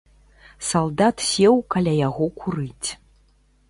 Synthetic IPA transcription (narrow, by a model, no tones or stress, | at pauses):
salˠd̪at̪sʲɛwkalʲajaɣɔkuɾɨt͡sʲ